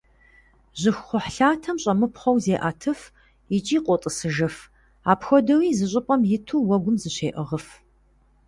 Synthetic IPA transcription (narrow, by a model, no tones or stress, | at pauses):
ʒɪxχʷɔħɬaːtʰɐmɕʼɐmɨpχɐwzeːʔaːtʰɨf | it͡ʃʼiːqʷʼɔtʼɨsɨʒɨf | aːpxʷɔdɐwiːzɨɕ̬ʼɪpʼɐmjɪtʰuːwɐɡʷʊmzɨɕeːʔəʁəf